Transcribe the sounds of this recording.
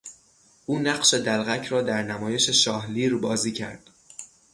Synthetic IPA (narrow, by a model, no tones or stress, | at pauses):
ʔuːnæɢʃe̞d̪ælɣæcʰɾɒːd̪æɾnæmɒːje̞ʃe̞ʃɒːhliːɾbɒːziːcʰæ̰ɾd̪̥